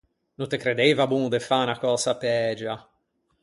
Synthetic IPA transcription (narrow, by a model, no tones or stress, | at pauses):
nũnt̪ekɾed̪ejvabuŋd̪efanakɔsapɛːd͡ʒa